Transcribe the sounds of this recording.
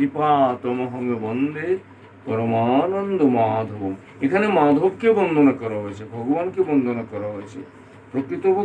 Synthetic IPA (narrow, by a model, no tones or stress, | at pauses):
d̪ipaːt̪ɐmɐɦɐmebɐnd̪ʱe | pɐɾɐmaːnɐnd̪ʱomaːd̪ʱobm | ekʰanemaːd̪ʱobkebənd̪ʱonɐkɐɾɐɦojt͡ʃʰebʱɐɡʋaːnkebənd̪ʱonɐkɐɾɐɦojt͡ʃʰḛ | pɾɐkɾit̪ob